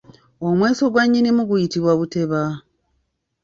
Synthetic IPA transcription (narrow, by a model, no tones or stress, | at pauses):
omwe̞ːso̞ɡwaɲːinimuɡujitiβwaβute̞βa